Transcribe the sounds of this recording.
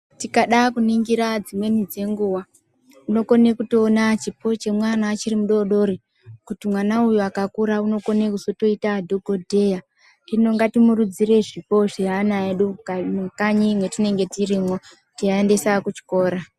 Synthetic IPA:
tikaɗakuniŋɡiɾad͡zimwe̞nid͡ze̞ŋɡuwa | uno̞ko̞ne̞kuto̞ːnat͡ʃipo̞t͡ʃe̞mwanaːt͡ʃiɾimuɗo̞ɗo̞ɾi | kutimwanaujuakakuɾauno̞ko̞ne̞kuso̞to̞itadʱoɡʱo̞dʱe̞ja | ino̞ŋɡatimurud͡zire̞ʐipo̞ʐeɦanaeɗukkaɲimwe̞tine̞ŋɡe̞tirimo | tiaende̞sakut͡ʃi̥ko̞ːɾa

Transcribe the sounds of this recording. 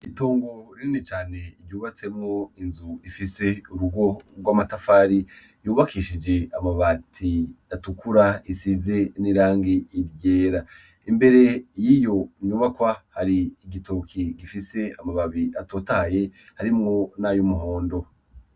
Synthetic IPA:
itoːŋɡo̞ɾiinet͡ʃaːne̞ɾjuːβat͡se̞mŋo̞inzuifise̞uɾuɡo̞ɡwaːmatafaːɾi | juːβakʰiʃid͡ʒe̞amaβatʰiatukuɾaisize̞niɾaːŋɡiːɾjeːɾa | imbe̞ɾe̞jijo̞ɲuβakwahaɾiːɡitoːkʰiɡifise̞amaβaβiʔatotahaje̞ | haɾimŋo̞najomuɦo̞ːndo̞

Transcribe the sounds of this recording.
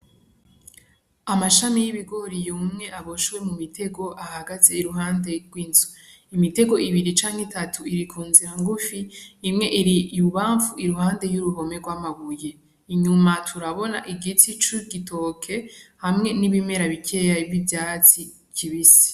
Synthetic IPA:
amaʃamijiβiɡo̞ɾijumŋe̞ʔaβo̞ʃwe̞mumitʰe̞ɡo̞ʔahaɡaze̞iɾuɦaːnde̞ɡwiːnzu | imite̞ɡo̞iβiɾit͡ʃaːŋhetatʰuiɾikʰuːnziɾaŋɡufiːmŋe̞ʔiɾijuβaːɱvuiɾuɦaːnde̞juɾuβo̞me̞ɡwaːmaɡuje̞ | iɲumatʰuɾaβo̞na̰ʔiɡit͡sit͡ʃuɡitʰokʰe̞hamŋe̞niβime̞ɾaβikʰe̞jaivjivjaːt͡si | kʰiβisi̥

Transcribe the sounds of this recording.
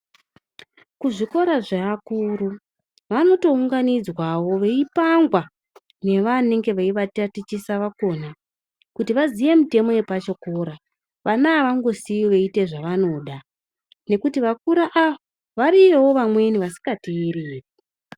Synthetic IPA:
kuʐiko̞ɾaʐaakuːɾu | ʋano̞to̞uŋɡanid͡zwawo̞ʋe̞ipaŋɡwa | ne̞ʋane̞ŋɡe̞ʋeiʋatatit͡ʃisaʋako̞na | kutiʋazije̞mite̞mo̞je̞pat͡ʃokoɾa | ʋanaːʋaŋɡo̞siiʋe̞ite̞ʐaʋano̞ɗa | ne̞kutiʋakuɾaʔaa | ʋaɾijewo̞ʋamwe̞niʋasi̥ŋɡatiiriːri

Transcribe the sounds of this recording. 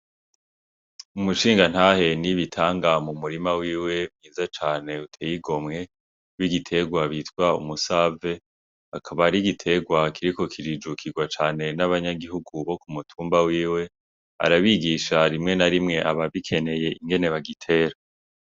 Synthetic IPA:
umuʃiːŋɡan̥haːhe̞niβitʰaːŋɡamumuɾimawiːwe̞mŋiːzat͡ʃaːne̞utʰejiɡo̞mŋe̞ | wiɡitʰe̞ɡwaβitkwaṵmusave̞ | akʰaβaɾiɡitʰe̞ɡwakʰiɾiko̞kʰiɾid͡ʒukʰiɡwat͡ʃaːne̞naβaɲaɡiɦuɡuβo̞kumutʰuːmbawiːwe̞ | a̰ɾaβiɡiʃaɾimŋe̞naɾimŋe̞ʔaβaβikʰe̞ne̞je̞iŋɡe̞ne̞βaɡitʰe̞ːɾa

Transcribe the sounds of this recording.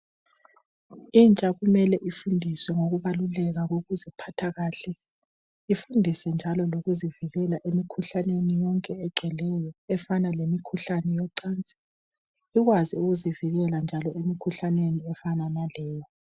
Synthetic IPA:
int͡ʃʼaɣumɛlɛʔifundʱiswɛŋoɣuβalulɛɣaɣoɣuzipʰatʰaɣaːɬɛ | ifundʱiswɛnd͡ʒʱalɔloɣuziviɣɛlaʔemikʰuɬanenijɔŋkʼɛɛɡ͡ǀʱwɛlɛjɔɛfanalemikʰuɬanɛjɔǀaːnt͡sʼi̥ | iɣwaziuɣuziviɣɛland͡ʒʱalɔemikʰuɬaneniɛfananalɛːjɔ

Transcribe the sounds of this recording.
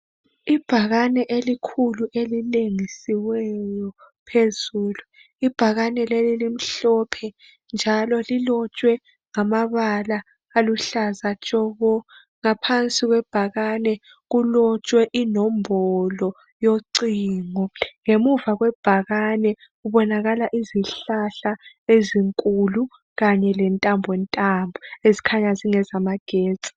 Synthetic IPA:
ib̥ʱaɣanɛʔelikʰuluʔelileŋisiwɛjɔ | pʰezuːlu | ib̥ʱaɣanɛlelilim̩ɬɔpʰɛ | nd͡ʒʱalɔlilɔt͡ʃʼwɛ | ŋamaβalaː | luɬazat͡ʃʼɔɣɔ | ŋapʰant͡sʼiɣwɛb̥ʱaɣanɛ | ɣulɔt͡ʃʼwɛʔinɔmbʱɔlɔ | joǀiŋɔŋemuvaɣwɛb̥ʱaɣanɛ | uβɔnaɣalaʔiziɬaɬaeziŋkʼulu | ɣaɲɛlɛntʼambʱwɛntʼambʱɔezikʰaɲaziŋɛzamaɡ̥ʱeːt͡sʼi̥

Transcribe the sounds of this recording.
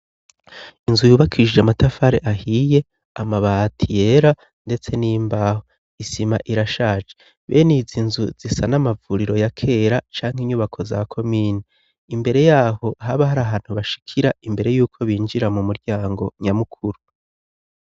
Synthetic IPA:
inzujuːβakʰid͡ʒeamatafaɾe̞ʔahije̞ | amaβatʰije̞ɾa | nde̞t͡seniːmbaho | isimaʔiɾaʃaːt͡ʃe | βḛnizinzṵz̥isanamavuɾiɾo̞jakʰe̞ːɾat͡ʃaːŋ̥hiɲuːβakʰo̞zakʰo̞miːni | imbe̞ɾe̞jaːho̞ɦaβaɦaɾaːɦaːn̥huβaʃi̥kʰiɾaimbe̞ɾe̞juːkʰo̞βiːnd͡ʒiɾamumuɾɟaːŋɡo̞ɲamukʰuɾu

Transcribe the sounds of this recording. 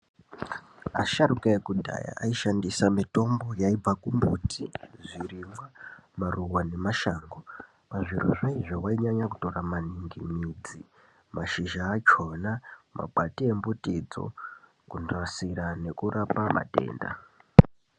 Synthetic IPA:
a̰ʃarukae̞kudʱa̰ja̰ʔaiʃandisamito̞mbo̞jaib͡vakumbutʰiʐirimwamaruwane̞maʃaːŋɡo | paʐiro̰ʐaiʐo̞waiɲaɲakuto̞ramaniŋɡimiːd͡zi | maʃiʒaːt͡ʃo̞nama̰bʱatie̞mbutid͡zo̞̰ | kundrasiɾane̞kurʔapamʔa̰te̞̰ːnda̰

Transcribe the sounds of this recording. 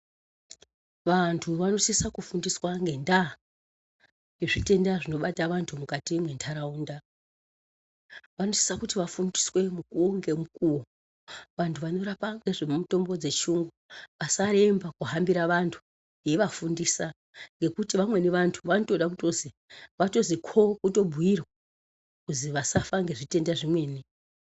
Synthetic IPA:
ʋantʰuʋano̞sisakufundiswaŋɡe̞nda | ŋɡeʐite̞ndaʐino̞ɓataʋantʰumukatimwe̞ntʰaɾauːnda | ʋano̞si̥sakutiʋafundiswe̞mukuŋɡe̞mukuwo | ʋantʰuʋano̞rapaŋɡe̞ʐemuto̞mbo̞d͡ze̞t͡ʃuŋɡuʋasaɾe̞mbakuɦambiɾaʋantʰu̥ | je̞ʋafundiːsa | ŋɡe̞kutiʋamwe̞niʋantʰuʋano̞to̞ɗak̬uto̞zi | ʋato̞zikʰo̞kuto̞bʱuirwa | kuziʋasafaŋɡe̞ʐite̞ndaʐimwe̞ːni

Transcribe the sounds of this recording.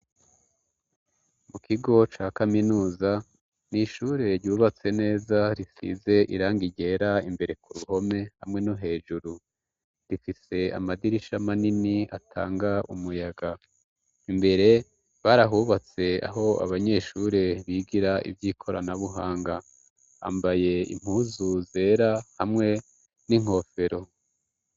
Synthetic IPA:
mukʰiɡo̞t͡ʃaːkaminuːza | niʃuɾeɾjuːβat͡se̞ne̞ːzaɾisḭze̞ʔiɾaːŋɡiɟe̞ːɾaimbe̞ɾe̞kuɾuho̞me̞hamŋe̞noɦe̞ːʒuɾu | ɾifise̞a̰madiɾiʃamaninia̰tʰa̰ːŋɡaʔumujaɡa | imbe̞ɾe̞ | βaːɾaɦuβat͡se̞a̰ɦo̞a̰βaɲe̞ʃuɾeβiːɡiɾaḭvjiːkʰo̞ɾa̰naβuɦaːŋɡa | a̰mbaje̞ḭm̥huːzuze̞ɾahamŋe̞ | niŋ̥ho̞feɾo̞

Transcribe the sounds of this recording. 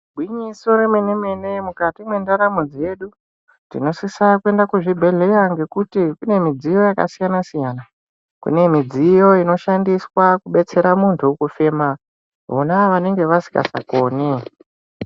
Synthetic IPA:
bʱwiɲiso̞ɾemeneme̞ne̞mukatimwe̞ndaɾamud͡zije̞ɗu | tḭno̞sisakue̞ndakuʐibʱe̞ɮe̞jaŋɡe̞kutikune̞mid͡zijo̞jaka̰sijanasijana | kṵne̞mid͡zijo̞ino̞ʃandiswakuɓe̞t͡se̞ɾamuntʰukufe̞ma | ʋonaʋane̞ŋɡe̞ʋasi̥ka̰sa̰koːne

